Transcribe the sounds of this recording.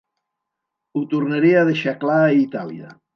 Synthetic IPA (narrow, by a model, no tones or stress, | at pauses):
ut̪urnaɾiaðeʃaklait̪alḭa̰